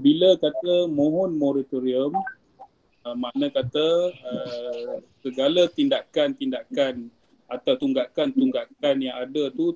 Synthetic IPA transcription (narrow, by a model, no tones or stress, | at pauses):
biləkat̪əmõɦɔnmoɾat̪oɾiəm | əmanəkat̪əə | səɡalət̪indakant̪indakan | at̪awt̪uŋɡakant̪uŋɡaʔkanjaŋadət̪u